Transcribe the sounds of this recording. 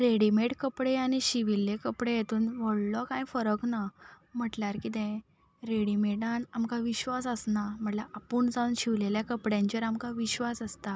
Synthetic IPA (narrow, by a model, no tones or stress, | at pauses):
ɾeɽimeʈkəpɽeaɽ̃iɕiʋilːekəpɽejet̪uːnʋəɽlɔkãjfəɾəkna | m̤əʈlaɾkit̪ɛ̃ | ɾeɽimeʈanamkaʋiɕʋasəsnam̤əʈlaʔapuːɳd͡zaunɕiʋleljakəpɽjãɲt͡ɕəɾamkaʋiɕʋasəst̪a